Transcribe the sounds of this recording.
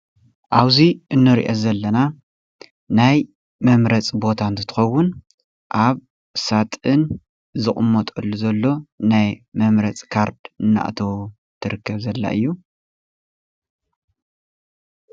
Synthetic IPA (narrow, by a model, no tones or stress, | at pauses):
ʔaβziʔɨnːɨɾḭʔozɐlːɐna | naj | mɐmɾɐt͡sʼbo̞t̪ʰant̪ʰɨt̪ʰɨ̥xɐwːʊn | ʔaβ | sat̪ʼɨn | zɨχʼɨmːot̪ʼɨlːuzɐlːo̞najmɐmɾɐt͡sʼkʰaɾd̪ɨnːa̰ʔt̪ʰɐwu | t̪ʰɨɾɨkːɐβzɐlːa̰ʔɨjːu